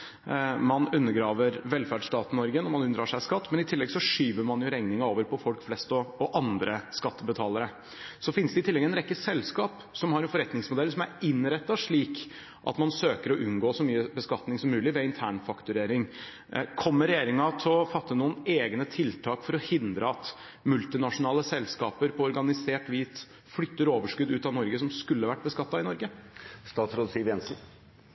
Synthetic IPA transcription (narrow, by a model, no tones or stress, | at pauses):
mɑnʉnːəɾɡɾɑːʋəɾʋɛlfæɖʂʈ̪ɑːt̪nɔɾɡənɔmɑnʉnd̪ɾɑːʂæɪskɑt̪ːmɛnɪt̪ʰɪlːɛɡsɔʂyːʋəɾmɑnjʊɾɛŋnɪŋɑoːʋəɾpʰɔfɔlkflɛst̪ɔɔʔɑnd̪ɾəskɑt̪ːəbət̪ʰɑːləɾə | sɔfɪnsd̪ɛɪt̪ɪlːɛɡɛnɾɛkːəsɛlːskɑːp | sɔmhɑɾɛnfɔɾɛt̪nɪŋsmʊd̪ɛlsɔmæɾɪnɾɛt̪ːɑʂɭiːk | ʔɑ̰t̪mɑnsøːkəɾɔʔʉnɡoːsɔmyːəbəskɑt̪nɪŋsɔmːʉːlɪʋɛɪnt̪ʰæːɳfɑkt̪ʉɾeːɾɪŋ | kʰɔmːəɾɛjeːɾɪŋɑt̪ʰɪɔfɑt̪ːənuːəneːɡnət̪ʰɪlt̪ʰɑːkfɔɾɔhɪnd̪ɾəɑt̪ | mʉlt̪ɪnɑʂʊnɑːləsɛlskɑ̰ːpəɾpʰɔɔɾɡɑnɪseːʈʋiːt̪ | flʏt̪ːəɾoːʋəʂkʉd̪ʉːt̪ɑʋnɔɾɡəsɔmskʉlːəʋæʈ̚ːbəskɑt̪ːɑɪnɔɾɡəst̪ɑːt̪sɾoːd̪siːʋjɛnsn̩